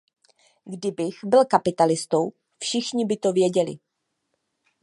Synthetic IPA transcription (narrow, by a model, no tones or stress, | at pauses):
ɡdɪbɪxbɪlkapɪt̪alɪst̪ow | fʃɪxɲɪbɪt̪o̞vjɛɟɛlɪ̰